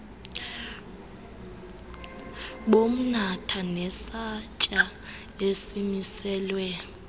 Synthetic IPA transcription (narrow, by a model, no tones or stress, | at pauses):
ɓom̩natʰanɛsacʼa | esimisɛːlwɛ